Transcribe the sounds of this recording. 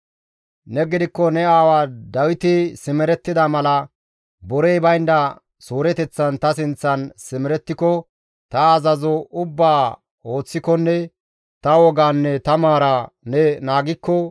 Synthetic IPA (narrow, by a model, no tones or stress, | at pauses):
nɛɡɪd̪ɪkːɔnɛaːwaːd̪ɐwɪt̪ɪsɪmɛɾɛt̪ːɪd̪ɐmɐlɐ | bɔɾejbɐjnd̪ɐ | soːɾɛt̪ɛt͡sːɐnt̪ɐs̬ɪnt͡sːɐnsɪmɛɾɛt̪ːɪkɔ | t̪ɐːzɐzɔʊbːaː | o̞ːt͡sːɪkɔnːɛ | t̪ɐwɔɡaːnːɛt̪ɐmaːɾanɛnaːɡɪkːɔ